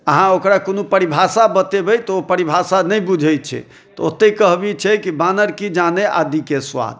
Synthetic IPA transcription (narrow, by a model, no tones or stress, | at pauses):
əɦãokɾakonopəɾibʱasabət̪ebɛjt̪ɔopəɾibʱasanɛjbud͡ʒʱət͡ʃʰɛ̰ | t̪ɔot̪ːəkəɦbit͡ʃʰɛkibanəɾkid͡ʒaneʔa̰d̪ikeswa̰d̪̚